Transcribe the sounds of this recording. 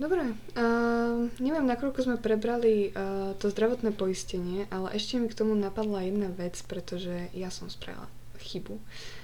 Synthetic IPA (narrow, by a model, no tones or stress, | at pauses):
d̪ɔbɾɛ | ɲɛʋɪɛmnakɔʎkɔzmɛpɾɛbɾalit̪ɔzd̪ɾaʋɔt̪nɛːpɔiscɛɲɪɛʔalɛ̰ʔɛʃcɛmikt̪ɔmunapad̪lajɛd̪naʋɛt͡spɾɛt̪ɔʒɛjasɔmspɾa̰ḭlˠa̰ | xibu